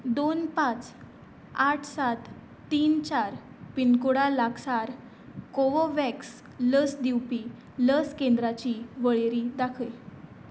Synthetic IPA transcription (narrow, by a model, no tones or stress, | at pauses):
d̪onpãt͡s | aʈʰsat̪ː | iːnt͡ɕaɾ | pinkuɽalaɡsaɾ | koʋoʋɛks | ləsd̪iwpiː | ləskẽnd̪ɾat͡ɕiːʋəɭeɾid̪akʰəj